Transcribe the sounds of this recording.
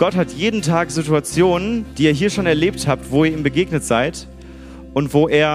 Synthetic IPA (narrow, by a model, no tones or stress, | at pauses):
ɡ̥ɔthatʰjeːdn̩tʰaːkz̥ituat͡sjoːnənd̥iːiːɐɦiːɐʃoːnɛɐleːp̚thaːp̚tv̥oːiːɐiːmbəɡeːɡnətz̥aɪt | ʔʊntv̥oːʔeːɐ